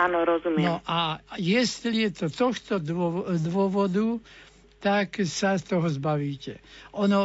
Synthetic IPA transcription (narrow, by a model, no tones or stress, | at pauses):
aːnɔɾɔzumjɛnɔʔajɛst̪lijɛt̪ɔt̪ɔxt̪ɔɔd̪ʋɔʋɔd̪u | t̪aksast̪ɔɦɔzbaʋiːcɛɔnɔ